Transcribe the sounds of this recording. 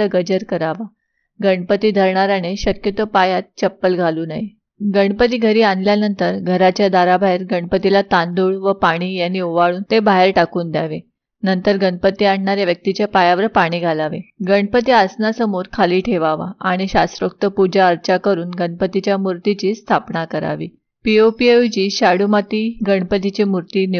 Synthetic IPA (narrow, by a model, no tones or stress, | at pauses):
əɡəd͡ʑəɾkəɾaʋa | ɡəɳpət̪iːd̪ʱəɾɳaɾañeɕəkjət̪əpajat̪̚t͡ɕəpːəlɡʱaluːnaɦi | ɡəɳpət̪iːɡʱəɾiːanljanənt̪əɾɡʱəɾat͡ɕjad̪aɾabʱaɦeɾɡəɳpət̪ilat̪and̪uːɭʋəpaɽ̃iːjanːiːuʋaɭuːnt̪ebaɦeɾʈakuːnd̪jaʋe | nənt̪əɾɡəɳpət̪iːaɳ̤ɳaɾjaʋjək̚t̪it͡ɕjapajaʋəɾpaɽ̃iːɡʱalaʋḛɡəɳpət̪iasnasəmoɾkʰaliːʈʰeʋaʋa̰aɽ̃iɕast̪ɾəkt̪əpud͡ʑaəɾt͡ɕakəɾuːnɡəɳpət̪it͡ɕjamuɾt̪it͡ɕiːst̪ʰapɳakəɾa̰ʋḭː | piopiet͡ɕiːɕaɽumat̪iːɡəɳpət̪it͡ɕemuɾt̪in